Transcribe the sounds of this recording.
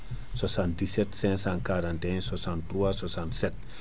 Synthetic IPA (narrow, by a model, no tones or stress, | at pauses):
swasãntd̪isɛt̪sɛ̃sãkaɾãnt̪ɛ̃swasãntːɾuaswasãnt̪sɛt̪